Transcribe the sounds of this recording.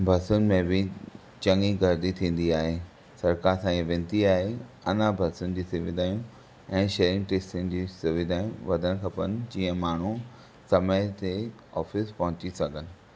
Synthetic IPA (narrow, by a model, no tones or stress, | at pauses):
bʱɐsʊnɪ̆mẽbɪ | t͡ɕɐ̃ŋiɡɐɾd̪it̪ʰĩːn̆d̪iaːɦeː | sɐɾkaɾsãːɡeʋɪ̃ːnt̪iaːɦe | ɐnabʱɐsʊnɪ̆d͡ʑiːsʊʋɪd̪ʱaːjũ | ɛ̃ːʃeːɾɪ̃ŋɡʈeːsʈɪnd͡ʑiːsʊʋɪd̪ʱaːjũʋɐd̪ʱəɽ̃kʰɐpənɪ̆d͡ʑĩːə̃maːɳ̤u | sɐməjt̪e | ɔːfɪspɐɦʊ̃t͡ɕisɐɡʱənɪ̆